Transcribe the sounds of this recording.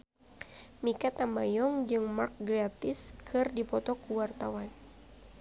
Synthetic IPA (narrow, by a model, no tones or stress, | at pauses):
mikat̪ambajɔŋd͡ʒɨŋmark̚ɡɾat̪ɪskʰɨrdipɔt̪ɔkuwart̪awan